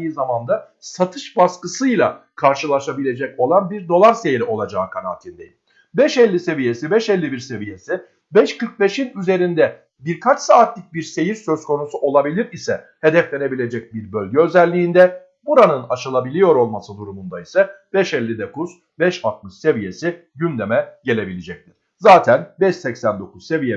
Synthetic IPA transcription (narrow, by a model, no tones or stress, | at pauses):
jizamand̪a | sat̪ʰɯʃbaskɯsɯjlˠa̰kʰaɾʃɯlˠaʃabilʲe̞d͡ʒɛco̞lˠanbiɾd̪o̞lˠaɾse̞jiɾo̞lˠad͡ʒaːkʰana̰ːt̪ʰind̪eji | bɛʃɛlʲːise̞vije̞sibɛʃɛlʲːibiɾse̞vije̞si | bɛʃkʰɯɾk̚be̞ʃinyze̞ɾind̪ɛ | biɾkʰat͡ʃsaːt̪lʲic̚biɾse̞jiɾsø̞zkʰo̞nusuʔo̞lˠabilʲiɾisɛ | he̞d̪ɛflʲe̞ne̞bilʲe̞d͡ʒɛc̚biɾbø̞lʲɟɛøzɛlʲːiːnd̪ɛ | buɾanɯnaʃɯlˠabilʲijo̞ɾo̞lˠmasɯd̪uɾumund̪aisɛb̥ɛʃɛlʲːid̪ekuz̥ | bɛʃat̪̚mɯʃse̞vije̞si | ɟynd̪e̞mɛɟe̞lʲe̞bilʲed͡ʒɛc̚t̪ʰiɾ̥ | zaːt̪ʰænbɛʃsɛcsænd̪o̞kuzse̞vije